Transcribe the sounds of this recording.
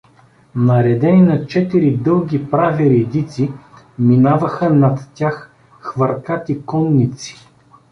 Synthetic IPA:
nɐɾɛd̪ɛnʲinɐt͡ʃɛt̪iɾid̪ɤlˠɡʲipɾaviɾɛd̪it̪si | minavəxənɐt̪ːʲax | xvɐɾkat̪ikɔnːit̪si̥

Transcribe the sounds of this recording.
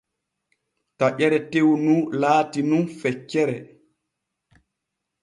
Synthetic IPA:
taʔɛɾɛtewnulaːtinunfɛt͡ʃːɛɾɛ

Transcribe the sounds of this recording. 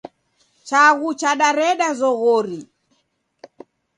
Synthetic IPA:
t͡ʃaɣut͡ʃaɗaɾɛɗazɔɣɔɾi

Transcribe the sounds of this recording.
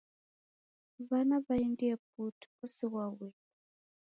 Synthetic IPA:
βanaβaindiap̚utʰu̥ɔsɛwawɛ

